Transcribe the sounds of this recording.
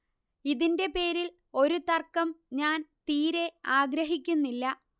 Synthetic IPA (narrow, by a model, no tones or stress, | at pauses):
iðinde̞pe̞ːɾil | o̞ɾut̪ɐrkːɐmɲaːnt̪iːɾe̞aːɡɾɐɦikʲːunːilːɐ